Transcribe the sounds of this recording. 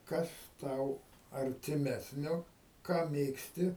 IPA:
ˈkɐs ˈtɐʊ ɐrʲtʲɪˈmʲæːsʲnʲoː ˈkɑː ˈmʲeːksʲtʲɪ

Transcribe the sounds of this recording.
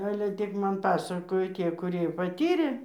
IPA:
ˈɑːlʲɛ ˈtʲɪk ˈmɐn ˈpɑːsɐkoːjoː ˈtʲiɛ kʊˈrʲiɛ pɐˈtʲiːrʲeː

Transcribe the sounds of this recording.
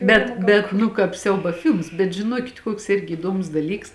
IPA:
ˈbʲɛt bʲɛt ˈnʊ kɑːp ˈsʲɛʊbɐ ˈfʲɪlˠms bʲɛt ʒʲɪˈnuɔkʲɪt ˈkuɔks ˈɪrʲɡʲɪ iːˈduɔmʊs dɐˈlʲiːks

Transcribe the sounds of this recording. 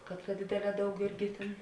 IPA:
kɐt tɐ ˈdʲeːdʲeːˌlʲɛː ˈdɐʊk ˈɪrʲɡʲɪ tʲeːn

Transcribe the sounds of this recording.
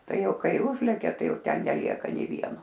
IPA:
ˈtɐɪ ˈjɛʊ ˈkɐɪ ˈʊʒʲlʲɛkʲɛ ˈtɐɪ ˈjɛʊ ˈtʲɛn nʲɛˈlʲiɛkɐ nʲeː ˈʋʲiɛnoː

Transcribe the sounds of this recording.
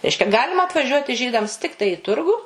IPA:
ˈrʲɛɪʃʲkʲɛ ˈɡɑːlʲɪmɐ ɐtʋɐˈʒʲuɔtʲɪ ˈʒʲiːdɐms ˈtʲɪktɐɪ ɪ ˈtʊrɡʊ

